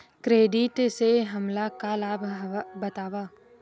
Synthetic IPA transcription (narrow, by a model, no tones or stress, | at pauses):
kɾeːɖɪʈseɦɐmlakalaːbʱbɐt̪aːʋaː